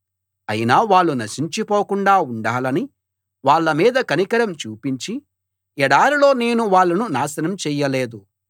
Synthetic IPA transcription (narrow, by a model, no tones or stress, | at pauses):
ɐ̰jinaːʋaːɭːunɐʃiɲt͡ʃipoːkuɳɖaːuɳɖaːlɐni | ʋaːɭːɐmiːd̪ɐkɐnikɐɾɐmt͡ʃuːpiɲt͡ʃi | ɛɽaːɾilo̞ːne̞ːnuʋaːɭːɐnunaːsɐnɐmt͡ʃɛːjɐleːd̪u